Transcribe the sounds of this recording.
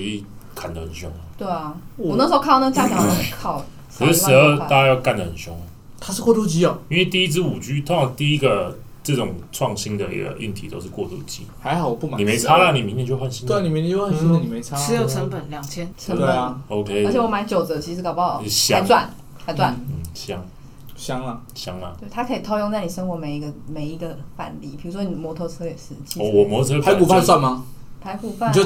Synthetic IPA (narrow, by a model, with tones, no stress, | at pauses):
y˧i˥˩ | kʰa˨˩nd̪ə˩hə˨˩nɕjʊ̰˧˥ŋə˩˨˩t̪we˥˩ɪɐ˨˩˨ɔ˨nə˧˥ŋso˧˥ʊkʰɑ˥˩ʊnə˧˥t͡ɕja˥t͡ɕjɑ˨˩ŋ˥˧kʰɑ˥˩ʊ | ə˨˧˥ʂ̩˧˥˦ə˥˧a˥˧t͡ɕa˥˧jɑ˥˧ʊka˥˩nd̪ə˩hə˨˩nɕjʊ˧˥ŋ˩ | t̪ʰa˥ʂɻ̩˥˧kwɔ˥˧t̪u˥˧t͡ɕi˥ɐ˨˩i˥nwe˥˩ɪt̪i˥˧i˦˥t͡sɹ̩˥˩u˨˩t͡ɕy˥t̪ʰo˥ʂʰɑ˧˥ŋt̪i˥˧i˦˥ɡə˨ | ʈ͡ʂɤ˥˩ʈ͡ʂʊ˨˩ŋʈ͡ʂʰwɑ˥˨ŋɕi˦nd̪ə˨ḭ˥ɡə̰˧˩ʔy̰˥˩nt̪ʰi˨˥t̪o̰˥ʊʂɻ̩˥˧kwɔ˥˧t̪ṵ˥˩t͡ɕḭ˦˥ha˧˥ɪxɑ˨˩ʊpu˥˩ma˨ni˨me˧˦ɪt͡sʰa˥na˥˨ni˨˩mi˧˥ŋt̪jɛ˧˥t͡ɕjo˥˧˩wa˥˧nɕi˥n˥˩ni˨mi˦˥˧xə˨˩nɕo˥ə˨ni˨˩me˨˧˦ɪt͡sʰa˥˧˥jo˨˩ʊʈ͡ʂʰə˧˥npə˨˩nljɑ˨˩ŋt͡ɕʰjɛ˥nt͡sʰə˧˥nə˨˩˨o˧˦ʊkʰe˥ɪ˧˥t͡ɕʰjwɔ˨˦ma˧˥nt͡ɕjo˨˩ʊt͡sɤ˨˩t͡ɕʰi˧˥ʂɻ̩˥kʰʊpɑ˥˧ʊ˨ɕɑ˥ŋt͡swa˥˨˩n | kʰa˧˥t͡swa˥˩nn̩˥˩ɕjɑ˦ŋ | ɕjɑ˦˥ŋlɐ˨ɕjɑ˦˥ŋɐ˨wt̪ʰa˥kʰə˧˥i˨˩t̪ʰo˥ʊjo˥˧ŋt͡sa˥˩ɪni˨˩ə˥nxwɔ˧˥˦me˨˩ɪi˧˥ɡə˧me˨˧ɪi˧˥ɡə˧fa̰˨˩nli˧˥pʰi˨˩ɻu˧˥ʂwɔ˥ni˨˩mwɔ˧˥t̪ʰɤ˥˧t͡sʰɤ˥jɛ˨˩ʂɻ̩˥˩t͡ɕi˥˨ɔ˥˧wɔ˨˩mwɔ˧˦tʰo˥˧t͡sʰɤ˦a˧˦ɪ˧ku˨fʰa˥˧nswa˥˨nma˨pʰa˧˥ɪku˨˩fa˥˨t͡ɕo˥˧˨